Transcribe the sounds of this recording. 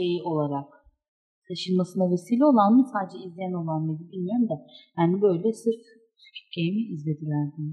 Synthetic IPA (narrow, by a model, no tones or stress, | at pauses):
ejiʔo̞lˠaɾak | t̪ʰaʃɯnmasɯnave̞siːlʲɛo̞lˠanmɯsaːd̪ed͡ʒɛizlʲijæno̞lˠanmed̪ibilʲmijo̞ɾumd̪ajaːnibø̞jlʲɛsɯɾt̪ | sy̥cʰy̥cʰejimiizlʲe̞d̪ilʲæɾd̪in